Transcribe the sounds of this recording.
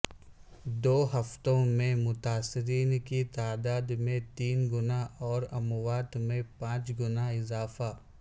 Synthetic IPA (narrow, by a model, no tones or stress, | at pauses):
d̪oːɦɐft̪õmẽmʊt̪aːsːɪɾiːnkit̪aːd̪aːd̪mẽt̪iːnɡʊnaɦɔːɾɐmʊwaːt̪mẽpãːt͡ʃɡʊnaɪzaːfa